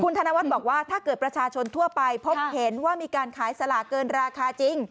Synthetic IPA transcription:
kʰu˧nt̪ʰa˧na˧wa˦t̪̚bɔː˨˩k̚waː˥˩t̪ʰaː˥˩kɤː˨˩t̪̚pɾa˧t͡ɕʰaː˧t͡ɕʰo˧nt̪ʰu˥˩ɐpa˧jpʰo˦˥p̚he˩˦nwaː˥˩miː˧kaː˧nkʰaː˩˦jsa˧la˨˩kːɤː˧nɾaː˧kʰaː˧t͡ɕi˧ŋ

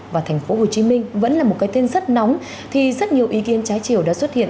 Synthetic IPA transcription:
vaː˨˩t̪ʰɛ˨˩ŋ̟fo˨˦ɦo˨˩t͡ɕi˨˦mï˧ŋ̟və̰˧˥nlaː˨˩mo˨˩t̚kaː˨˦jt̪e˧nzə˦˥t̚nɔ˨˦wŋ͡m | t̪ʰi˨˩zə˦˥t̚ɲi˨˩əwʔi˨˦ki˨˦ənt͡ɕaː˨˦jt͡ɕi˧˩əwɗa̰ː˧˥swə˦˥t̚hḭ˧˨ə

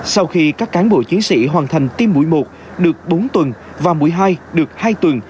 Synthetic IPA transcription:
sa˧wxi˧kaː˦˥kːaː˨˦nɓo˧˩t͡ɕi˨˦ənsḭ˧˥ɦwaː˨˩nt̪ʰa˨˩jŋ̟t̪i˧mːṵ˧˩əjmo˨˩t̚ | ɗɨ˨˩ək̚ɓo˨˦nt̪wə˨˩n | vaː˨˩mu˧˩əjɦaː˧jɗɨ˨˩ək̚haː˧jt̪wə˨˩n

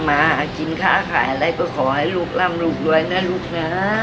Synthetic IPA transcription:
maː˧a˨˩ki˧˦nkʰaː˥˩kʰaː˨˦jʔa˧ɾa˧˩jkɔː˥˩kʰɔː˩˦ha˥˩jluː˦˧˩k̚laː˧˥˩mluː˧˩k̚lu˧əjnaː˦˥˩luː˦˥˩k̚na˦˥

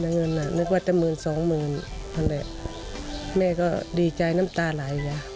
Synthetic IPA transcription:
na˧˨ŋɤ˧˥˨nːa˧˩nɯ˧˦kwaː˧˩˦t̪ɛː˧˨mɯː˨˩nsɔː˨˦ŋmɯː˨˩nma˧˥˨nlɛ˧˨ʔ | mɛː˧˨kɔː˧˩diː˨˩t͡ɕa˨˩jna˧˥˨mt̪aː˧˨la˨˦jjaː˧˦

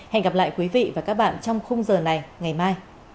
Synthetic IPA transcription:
hɛ̰˧˨ŋɣa˨˩p̚la̰ː˧˨jkwi˨˦vḭ˧˨vaː˨˩kaː˦˥k̚ɓa̰ː˧˨nt͡ɕɔ˧wŋ͡mxə˧wŋ͡mzəː˨˩na˨˩jŋa˨˩jmaː˧j

